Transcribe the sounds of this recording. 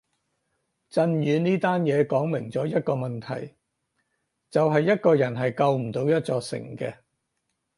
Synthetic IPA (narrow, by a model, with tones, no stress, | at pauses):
t͡sɐ˧njyː˨˧niː˥t̪aː˥njɛː˨˧kɔː˨˥ŋmɪ˨˩ŋt͡sɔː˨˥jɐ˥t̚kɔː˧mɐ˨nt̪ʰɐ̰˨˩j | t͡sɐ˨wɦɐ˨jːɐ˥t̚kɔː˧jɐ˨˩nɦɐ˨jkɐ˧wm̩˨˩t̪o˨˧wjɐ˥t̚t͡sɔː˧ksɪ̰˨˩ŋkɛː˧